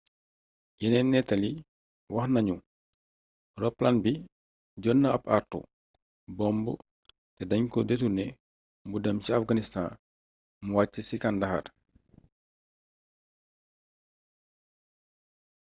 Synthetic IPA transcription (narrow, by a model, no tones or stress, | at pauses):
jɛnɛnːɛtɐli | wɐxnɐɲu | rɔplanbi | ɟɔnːɐɐpa̰rtṵ | bɔmbu | tɛdɐɲkɔdetunɛ | mbudɐmsiafɡanista̰n | muwaːt͡ʃːəsikandɐxa̰r